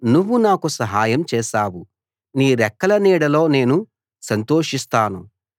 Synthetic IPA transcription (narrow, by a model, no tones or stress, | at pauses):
nuʋːunaːkusɐɦaːjɐmt͡ʃɛːʃaːwu | niːɾɛkːɐlɐniːɽɐlo̞ːne̞ːnu | sɐnt̪oːʂist̪aːnu